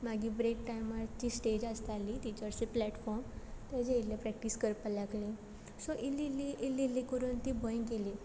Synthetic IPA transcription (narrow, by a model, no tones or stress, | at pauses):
maɡiːbɾek̚ʈajmaɾt͡ɕiːsʈed͡ʑast̪alit̪it͡ɕəɾsiplɛʈfɔɾmt̪jat͡ɕeilljapɾɛk̚ʈiskəɾpəlakli | soʔililiʔilːilːikəɾuːnt̪iːbəjɡeli